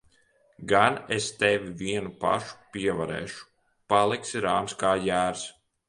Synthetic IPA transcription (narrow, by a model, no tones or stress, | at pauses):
ɡanest̪ɛvʲiviɛnupa̰ʃu̥pʲiɛvaɾɛ̰ːʃu̥ | palˠiksiɾaːmskaːjæːɾs